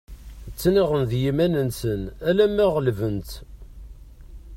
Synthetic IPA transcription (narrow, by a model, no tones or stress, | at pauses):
t͡sːniʁənðjimænənsənælæmːæʁəlvənt̪